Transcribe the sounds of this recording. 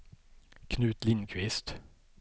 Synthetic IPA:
kʰnʉːt̪lɪnkʰʋɪst̪

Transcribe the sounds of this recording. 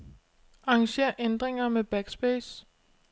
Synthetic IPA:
ɑ̈ɑŋɕe̝̰ɐ̰ʔend̥ʁeŋɐmeb̥æɡ̥sb̥eːs

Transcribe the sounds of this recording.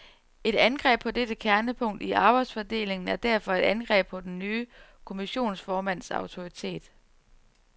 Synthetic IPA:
e̝d̥ænɡ̥ʁɛ̰ːb̥̚pʰɒ̽d̥ed̥əkʰæɐnəpʰɔ̽ŋ̰d̥iʔɑ̈ːb̥ɑ̈ɪd̥sfɒd̥e̝̰ːle̝ŋn̩æɐd̥æɐ̰fɒ̽e̝ɾ̥ænɡ̥ʁɛ̰ːb̥̚pʰɒ̽d̥enːyːkʰo̝miɕo̝̰ːnsfɒːmæn̰sɑ̈ʊt͡sʰo̝ʁit͡sʰe̝̰ːd̥

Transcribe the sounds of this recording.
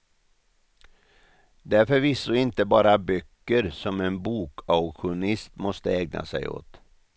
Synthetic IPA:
d̪æɾfœɾviːsoːɪnt̪əbɑːɾabœkːəɾsɔmeːnbuːkʰaʊɧʊnɪst̪mɔst̪əeːɡ̚nʔa̰sæɪo̰ːt̪

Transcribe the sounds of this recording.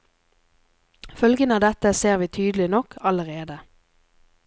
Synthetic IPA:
fœlɡənɑːd̪ɛt̪əseːʁʋiːt̪ʰyːd̪lɪnɔkʰɑləʁeːd̪ə

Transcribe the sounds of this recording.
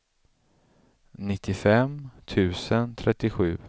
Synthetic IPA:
nɪt̪ʰːɪfɛmt̪ʰʉ̟ːsənt̪ʰɾɛt̪ːɪɧʉ̟ː

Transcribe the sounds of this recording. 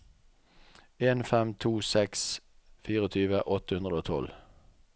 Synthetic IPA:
eːnfɛmt̪ʰuːsɛks | fiːʁəɔt̪ʰyːʋəʔɔt̪əhʉnʁəd̪oːt̪ʰɔ̰l

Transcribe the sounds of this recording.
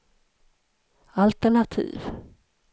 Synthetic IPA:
alt̪ɛɳat̪ʰḭːv

